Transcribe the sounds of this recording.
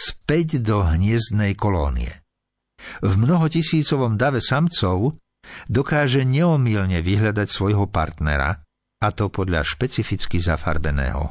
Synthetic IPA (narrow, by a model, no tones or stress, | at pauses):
spɛɟd̪ɔɦɲɪɛzd̪nɛjkɔlɔːnḭɛ̰ | vmnɔɦɔcisiːt͡sɔʋɔmd̪aʋɛsamt͡sɔʊ | d̪ɔkaːʒɛɲɛɔmilɲɛʋiɦʎad̪acsʋɔjɦɔpa̰ɾt̪nɛ̰ɾa̰ | at̪ɔpɔd̪ʎa̰ʃpɛt͡sifit͡skiza̰fa̰ɾbɛnɛ̰ːɦɔ̰